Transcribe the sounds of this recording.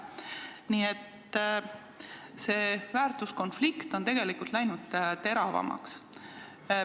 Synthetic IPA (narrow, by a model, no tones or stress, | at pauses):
niːe̞t̪ː | se̞ːvæːrt̪usko̞nflikt̪o̞nt̪e̞ɡ̥e̞likult̪læjnud̪̥t̪e̞ɾɑvɑ̰mɑ̰ks